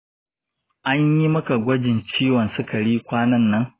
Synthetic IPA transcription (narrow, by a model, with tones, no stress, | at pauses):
ʔa˦ɲji˦mɐ˦ka˨ɡʷɐ˦d͡ʒɪ˨nt͡ʃiː˦wɐ˨nsɪ˦kɐ˨ɽiː˦kʷaː˦nɐ˦nːɐ˦ŋ